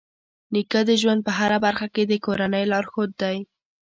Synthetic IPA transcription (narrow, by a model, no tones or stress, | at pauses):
nikəd̪əʒwand̪̚pəɦaɾabaɾxaked̪əkoɾanəjlɑɾxod̪ːaj